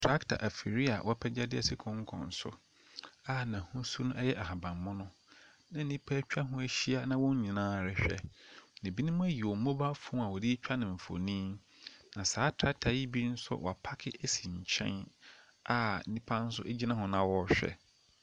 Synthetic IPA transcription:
tʰɾa˦ktʰa̰˨ʔæ˨fi˨ɾi˦a̰˨wʔɔ˦pʰɛ˦d͡ʑa˦dɪ˦ɛ̰˦˨sɪ˦kʰʊ̃˦ŋ̩˦kʰɔ̰̃˨n̩˨sʊ̰˦ | a˦nã˨hʊ̃˦su˦nʊ̃˦ɛ˦jɛ˦ʔa˨ha˨bã˨mː˨ʊ̃˦nʊ̃˦ | nã˨˦nĩ˦pʰa˦t͡ɕᶣa˦ɦʊ̃˦æ˦ɕi˦a˦nã˦wɔ̃˦ɲ˦ɲĩ˨nãː˦˨ɾɪ˦ɕᶣɛ̰˨nɪ̃˨bi˦nʊ̃˦mʊ̃˦æ˦ji˨wɔ˨˦mõ˦ba˦fũ˦a˨wɔ˨di˦t͡ɕᶣa˦nɪ̃˨ɱ̩˨fo̰˨nĩː˦ | nã˨saː˨˦tʰɾa˦k̚tʰa˨ji˦bi˦n̩˦sʊ̰˦wɔ̰˨a˨pʰa˦kʰɪ˦e˦si˨ɲ̩˨t͡ɕʰɛ̰̃˦n | a˦˨˦nĩ˦pʰa˦n̩˦sʊ˦ʔe˦d͡ʑi˦nã˦ɦʊ̃˨nã˨wɔ˦ɕᶣɛ̰˦

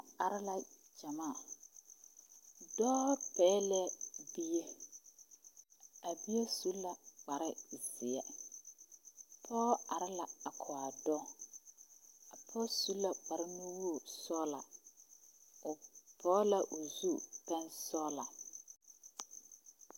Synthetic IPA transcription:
a˨ɾɪ˦la˨d͡ʒa˨maː˦˨ | dɔː˦pɛː˨˦lɛ˦bi˦je˦ | a˨bi˦je˦su˦lːa˨k͡pa˨ɾɪ˦˨zɪ˨ɛ˨ | pʰɔː˦a˨ɾɪ˦la˨a˨kʰʊ˨a˨dɔ˦ | a˨pʰɔ˦su˦la˨k͡pa˨ɾɪ˦nu˦wu˦o˨sɔː˦la̰˨ | ʊ˨pʰɔː˦la˨ʔʊ˨zu˦pɛ˦nsɔ˦la˨

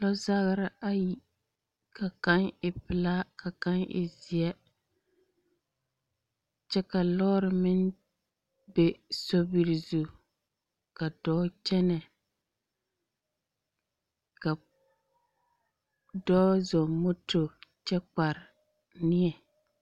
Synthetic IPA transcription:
lɔ˦za˦ɣɾɪ˦a˦ji˨ | ka˨ka˦nɪ˨pɪ˨la˦ka˨ka˦nʔɪ̰˨zɪ˨ɛ˦ | t͡ʃɛ˦ka˨lɔː˦ɾɪ˨mɪ˦n | be˦sɔ˦bi˨ɾi˨zu˨ | ka˨dɔː˦t͡ʃɛ˦nɛ˨ | ka˨ | dɔː˦zɔ˨mo˦to˨t͡ʃɛ˦k͡pa˨ɾɪ˨ | nɪ˦ɛ˨

